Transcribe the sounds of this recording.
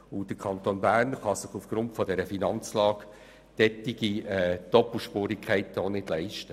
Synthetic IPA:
ʊd̥əkʰɑntonbæːɾnχɑsɪχufɡ̥ɾʊntfɔdɛɾəfinɑnt͡slɑːɡ | d̥ɛtːiɡ̥iɛd̥ɔpl̩ˠʃpʊːɾikʰχɛɪtoːnɪd̥lɛɪʃtə

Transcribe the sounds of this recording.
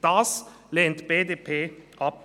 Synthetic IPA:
d̪ɑːs | leːnt̪beːd̪eːpʰeːʔɑp̚

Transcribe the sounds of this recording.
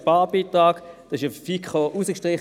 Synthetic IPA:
pɑːbiːtʁɑːɡ̥d̥ɑsɪʃəfikχoʔusəkʃtʁɪχ

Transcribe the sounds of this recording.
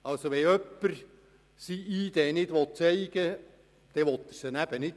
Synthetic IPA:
ɑlsoʋɛœpːəɾ | siiːd̪eːnɪdʋɔt̪̚t͡sɛɪɡ̥ə | d̪̥ɛʋɔt̪ːəɾsənæb̥ənɪt

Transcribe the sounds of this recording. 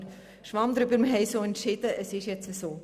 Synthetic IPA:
ʃʋɑmd̪ɾʏbəɾməɦɛɪsoːɛntʃɪd̥̪əʔəsɪʃjɛt͡səsoː

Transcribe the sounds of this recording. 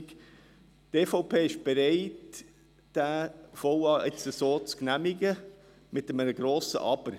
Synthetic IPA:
k | tefoʊpʰeːɪʃb̥eɾɛɪt | d̥æfoʊɑːʔɪt͡səsoːt͡sknæmɪɡə | mɪtəmənəɡɾoːsə̰ʔɑb̥əɾ

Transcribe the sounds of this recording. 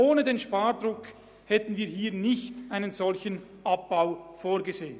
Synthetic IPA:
ʔoːnədeːnʃpaːʁdʁʊk | hɛtn̩viːɐɦiːɐnɪçtʔaɪnənzɔlçən | ʔap̚b̥aʊfoːɐɡəzeːən

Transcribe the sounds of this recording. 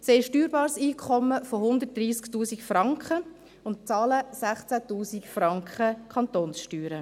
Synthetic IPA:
sɛɪʃtyːɾbɑːɾsiːkʰχɔmːəfohʊnd̪ərt̚d̥ɾiːsktuːsikfɾɑŋkχə | ʊnt̚t͡sɑːləsæχt͡sætuːsikfrɑŋkχəkʰχɑnt̪oːnsʃtyːɾə

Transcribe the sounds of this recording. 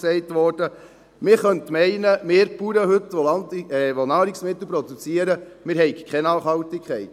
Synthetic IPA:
sɛɪtʋɔrd̥ə | mɪɾχœntmɛɪnəmɪːɾpuɾəɦɵtʋɔlɑntːʋɔnɑːɾiksmɪt̪l̩pɾɔd̥ut͡siəɾəmɪːɾɦɛɪɡkχɛnɑːχhɑwtikʰχɛɪt

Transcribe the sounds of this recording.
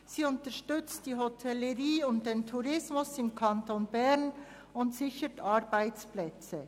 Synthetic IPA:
siːʊntəʃtʏt͡std̥iːɦotʰɛləʁiːʊntd̥eːntʰuʁɪsmʊsɪmkʰɑntonbɛʁn | ʊntsɪçətʰɑɾb̥aɪt͡splɛt͡sə

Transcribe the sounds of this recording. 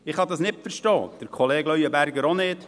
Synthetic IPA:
ɪχhɑd̪ɑsnɪpfəɾʃtɔːd̥əɾkʰoleːɡlœɥəbæɾɡəɾonɪt

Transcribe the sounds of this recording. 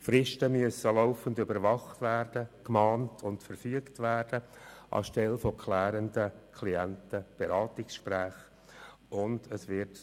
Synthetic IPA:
fɾɪʃtəmyəsːəlaʊfəndʏbəɾvɑχtvæːrd̥əkmɑːntʰʊntfəɾfyːəktvæːrd̥əʔɑ̰ʃtɛlfɔkʰlæːɾəndəkʰliæntəb̥eɾɑːtɪksʃpɾæːχ | ʊndəsʋɪrt

